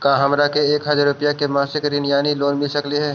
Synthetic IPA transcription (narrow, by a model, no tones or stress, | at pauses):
kaːɦɐmɾakeeːkɦad͡ʒaɾʊpijakemãːsɪkɾɪnjaːniloːnmɪlsəkliɦɛː